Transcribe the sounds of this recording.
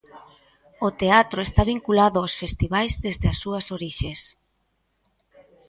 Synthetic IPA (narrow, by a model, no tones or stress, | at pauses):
ot̪eat̪ɾoest̪aβiŋkulaðʊosfest̪iβajzðezðeasːuɐsoɾiʃes